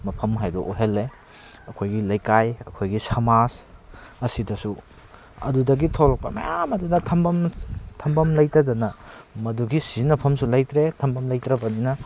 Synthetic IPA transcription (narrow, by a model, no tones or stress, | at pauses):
mɐpʰɐmɦajdɔʔoɦelːe | ɐkʰojɡilɐjkajɐkʰojɡisɐmasɐsidɐsu | ɐ̰dudɐɡitʰoɾɔk̚pɐ̰mɐ̰jamɐdudɐtʰɐmbɐmtʰɐmbɐmlɐjtɐdɐnɐmɐduɡisinɐpʰɐmsulɐjtɾetʰɐmbɐmlɐjtɾɐbɐninɐ